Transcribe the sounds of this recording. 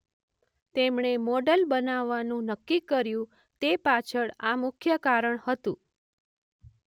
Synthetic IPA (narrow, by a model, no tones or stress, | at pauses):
t̪emɳemɔɖəlbənaʋːanũnəkːikːəɾjũ | t̪epat͡ʃʰəɭamʊkʰjəkaɾəɳhət̪ũ